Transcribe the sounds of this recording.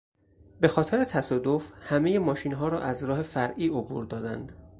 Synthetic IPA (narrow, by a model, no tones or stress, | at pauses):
be̞xɒːt̪ʰeɾet̪ʰæsɒːd̪ofhæme̞jemɒːʃiːnɦɒːɾɒ̰ːʔæzɾɒːɦe̞fæɾʔiːobṵːɾd̪ɒːd̪ænd̪̥